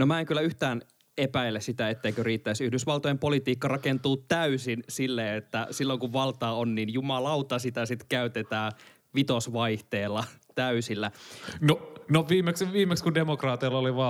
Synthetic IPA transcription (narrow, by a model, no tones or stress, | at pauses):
nomæeŋkylːæyht̪æːn | epæilːˑessit̪æet̪ːeikøriːt̪ːæisyhdysʋɑlt̪ojempolit̪iːkːɑrɑkent̪uːt̪tæysinsilːeːet̪ːæsilːoŋkuʋʋɑlt̪ɑːonninjumɑlɑut̪ɑsit̪æsit̪kæyt̪et̪æː | ʋit̪osʋɑiht̪eːlːɑt̪æysilːænonoʋiːmːeksʋiːmekskundemokrɑːt̪iɑlːoliʋɑː